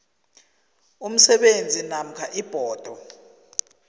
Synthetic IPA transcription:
um̩sɛɓend͡zʱinam̩kʰaʔib̥ʱɔːd̥ʱɔ

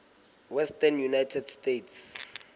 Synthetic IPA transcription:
wɛstanjunajtʰɛdstetʰs

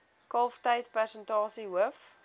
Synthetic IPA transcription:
kɐlˠftəjtpæsəntɑːsiɦuəf

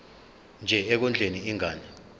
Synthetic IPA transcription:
nd͡ʒʱɛɛk̬und͡ɮʱeniiŋaːni

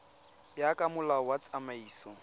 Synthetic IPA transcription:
bjakʼamʊlawat͡sʼamaiːsɔ

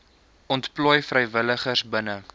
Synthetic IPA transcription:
ɔntplɔjfrəjvələχərsbənə

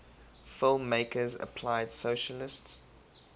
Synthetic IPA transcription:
fɪlˠmːeɪkʰəzə̰pʰl̥aɪd̥soʊʃəlɪsts

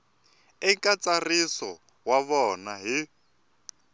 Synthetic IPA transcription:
ɪŋkʼat͡sʼarisɔ | waβɔnaɦi

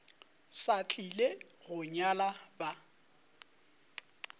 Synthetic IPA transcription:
sat͡ɬʼileɣʊɲalaba

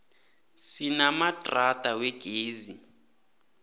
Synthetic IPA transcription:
sinamatʼratʼawɛɡ̥ʱeːzi

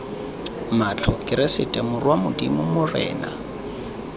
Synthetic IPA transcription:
mat͡ɬʰɔkʼɪɾɪsɪtʼɛmʊrwamʊdimʊmʊrɛ̰ːna̰

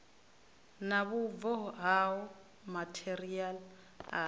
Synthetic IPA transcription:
naβuvɔɦaɔ | matʰɛɾial | a

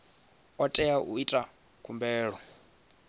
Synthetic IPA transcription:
ɔtʼɛjaʔuitʼa | kʰumbɛːɺɔ

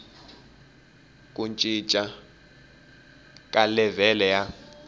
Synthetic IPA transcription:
kʼunt͡ʃʼit͡ʃʼa | kʼalɛvɛlɛja

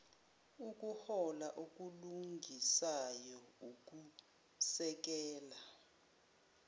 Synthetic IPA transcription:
uk̬ʼuhɔlaʔuk̬ʼuluŋʱisajɔuk̬ʼu | sɛk̬ɛːla

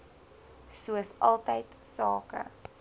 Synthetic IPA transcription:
suəsʔɐlˠtəjtsɑːkə̰

